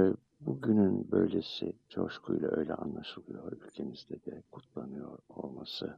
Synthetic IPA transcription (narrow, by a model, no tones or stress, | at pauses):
buɟynynbø̞̰jlʲesit͡ʃʰo̞ʃkʰujlˠaʔø̞jlʲɛʔanlˠaʃɯlˠɯjoɾylʲcʰemizd̪ɛd̪ɛkʰut̪ʰlˠanɯjoɾolˠmasɯ